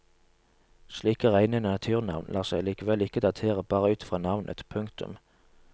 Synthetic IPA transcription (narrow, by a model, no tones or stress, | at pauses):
sliːkəːʁæɪnɛnnɑt̪ʰʉːʁnɑ̰ʋnlʔɑːʁsæɪliːkəʋɛlɪkəd̪ɑt̪ʰeːʁəbɑːʁəʉːt̪fʁɑːnɑʋnʔə̰t̪pʰʉŋkt̪ʉ̰m